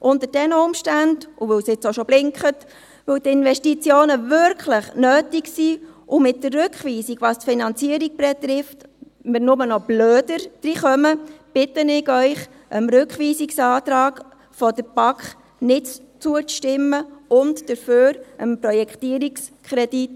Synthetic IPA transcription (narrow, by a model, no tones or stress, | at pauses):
ʔʊntəd̥ɛnəʊmʃtændʊʋɵwsɪt͡soʃɔb̥lɪŋkχət | ʋɪwt̪ɪnvɛʃtit͡sjoːnəvʏɾkχləχnøːtiksiːʔʊmɪt̚dərːʉkχʋiːsiɡʋɑstfinɑnt͡siəɾiɡ̚bɛtɾɪft | mɪnʊmənɔb̥løːd̥əɾd̥ɾiχœməb̥ɪtənɪɡœʏχ | ʔəmɾøkχʋiːsiksɑːtɾɑːɡ | fɔdəɾb̥ɑkχ | nɪt | t͡suət͡sʃtɪməʊntd̥əɾføːɾəmpɾɔjɛktiəɾikskʰχɾɛd̥it